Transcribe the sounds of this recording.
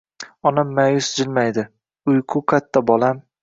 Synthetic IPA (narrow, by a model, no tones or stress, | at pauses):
ɒnamːajʊsd͡ʒɪlmajd̪ɪ | ʊjqʰʊkʰat̪ʰːabɒlam